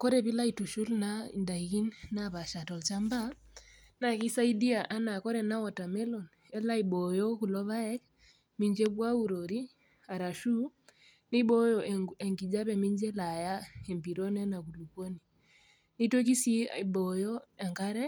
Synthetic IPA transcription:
kɔ˦ɾɛ˨βi˦la˦i˨tu˨ʃu˦lna˦ḭ˨nda˨i˨ki˦nna˦βa˨ʃa˨tɔ˨lt͡ʃa˦mba˦ | na˨ki˦sa˦i˦di˦a˨ʔa˦na˨kɔ˦ɾɛ˨na˦wɔ˨ta˨mɛ˦lɔ˨n | ɛ˦la˦i˨ɓɔ˨jɔ˦ku˨lɔ˦βa˦ɛ˦k | mi˦ɲd͡ʒɛ˦bwa˦u˨ɾɔ˨ɾi˦ | a˨ɾa˨ʃu˦ | ni˦ɓɔ˦jɔ˨ɛ˨ŋɡi˨d͡ʒa˦βɛ˨mi˦ɲd͡ʒɛ˦la˨ja˦ɛ˨mpi˨ɾɔ˦nɛ˦na˨ku˨lu˨kɔ˦ni˨ | ni˦to˦ki˦si˦i˨bɔ˨jɔ˦ɛ˨ŋka˦ɾɛ˦

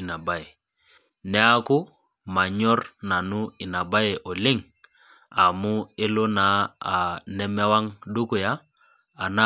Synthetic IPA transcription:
i˨na˨ba˦je˨ | nɛ˦a˦ku˦ | ma˨ɲɔ˦ɾna˨nu˦ɪ˨na˨ba˦je˨ʔɔ˨lɪ˦ŋ | a˨mu˦ɪ˦lʊ˦na˨˦a˨nɛ˦mɛ˦wa˦ŋdu˦ku˨jaː˦˨ | na˦

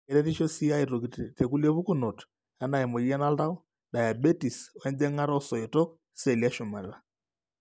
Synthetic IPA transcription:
ɛ˨ɾɛ˦ði˦ʃɔ˦si˦a˦i˨ɾo˨kitɛ˨ku˦lie˦βu˦ku˦nɔ˨t | a˦na˨ɛ˨mɔ˨i˦a˦na˦la˦ɔ˦ | da˨ja˨bɛ˦ti˨sɔ˨ɛ˦nd͡ʒɛ˦ŋa˦ɾɔ˦sɔ˨i˨tɔ˦k | sɛ˦˨li˨a˦ʃo˨ma˨ɾɛ˦a˦

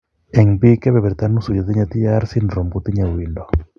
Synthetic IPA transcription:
ɛ˨ŋbi˦kɛ˦βɛ˨βɛ˨ɾt̪a˦nu˦su˨d͡ʒɔ˨t̪i˦ɲa˧t̪i˦a˦ɾsi˦ndɾɔ˨mɡu˨t̪i˦ɲa˨wi˨ndɔ˨

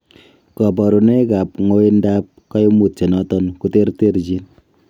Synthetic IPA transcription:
kɔ˨bɔ˨ɾu˨ne˦ka˨pŋo˦i˦nda˦p̚kɔ˦jmu˨tt͡ʃe˨nɔ˦tɔ˦nku˦te˦rte˦ɾd͡ʒi˦n

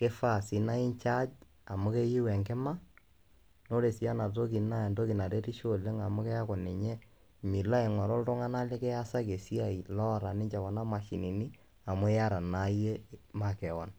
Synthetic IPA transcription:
ke˦fa˦˨si˨na˦i˦ɲt͡ʃa˦d͡ʒ | a˨mʊ˦ke˦ji˦wɛ˨ŋkɪ˦ma˦ | no˦ɾe˨si˨˦a˦na˨to˦ki˨na˦˨ndo˦ki˨na˨ɾe˦ɾi˦ʃo˦˨le˦ŋa˨mʊ˦kɛ˦a˦kɔ˨ne˨ɲɛ˦ | mi˨la˦e˨ŋɔ˨ɾɔ˦ltɔ˦ŋa˦na˦le˦kɛ˦ja˦sa˦ke˨si˦a˦˨i˨lɔ˦˨ɾa˨nɪ˦ɲt͡ʃa˨kɔ˨na˦ma˨ʃi˨ni˨ni˦ | a˨mʊ˦ja˦ɾa˨na˨˦je˦ma˨kɛ˨wɔ̰˨n

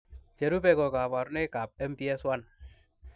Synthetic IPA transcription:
t͡ʃe˨ɾu˦pɛ˨kɔ˨ka˨pa˨ɾu˦nɛ˦ka˨p̚ɛ˦mpi˦ɛ˦swa˦n

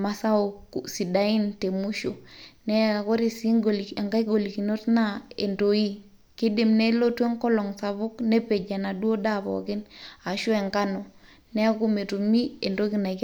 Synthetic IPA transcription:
ma˨sa˦o˨ksi˨da˨i˦nte˨mu˦ʃo˨nɛ˦˨ko˦ɾe˨sɡola˨ŋɡa˦ɡo˨li˨ki˨no˦tna˦ḛ˨ndo˨i˦ | ki˦di˨mne˦lo˦tu˦e˦ŋkɔ˦lɔ˨ŋsa˨βu˦kne˦pe˨d͡ʒa˨na˨du˦o˦da˦˨βɔ̰˨kɪ˦na˨ʃu˦e˨ŋka˦no˨ | nɛ˦a˦ku˦me˨tu˨mi˦e˨ndo˦ki˦na˨k

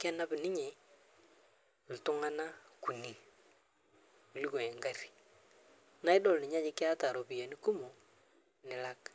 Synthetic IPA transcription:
kɛ˦na˦bɪ˨nɪ˦ɲɛ˨ | l̩˨tʊ˦ŋa˦na˦ku˨ni˨ | u˨li˦ko˨ɛ˨ŋɡa˦ri̥˨ | na˨˦ɪ˦dɔ˦lnɪ˨ɲa˦d͡ʒɪ˦kɪ˦a˦ta˨ɾo˨pi˨je˨nɪ˦ku˦mu˨ | nɪ˨la˦k

